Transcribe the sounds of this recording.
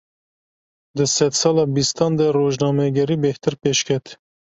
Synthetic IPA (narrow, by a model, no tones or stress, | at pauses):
d̪ɨsɛd̪sɑːlɑːbist̪ɑːnd̪ɛroːʒnɑːmɛɡɛɾiːbeht̪ɨɾpeːʃkʰɛt̪